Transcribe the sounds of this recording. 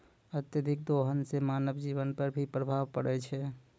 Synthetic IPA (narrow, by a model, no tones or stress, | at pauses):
ət̪jəd̪ʱɪk̚d̪oɦənsemaːnəbd͡ʒiʋənpəɾbʱipɾəbʱaʋpəɽɛt͡ʃʰɛ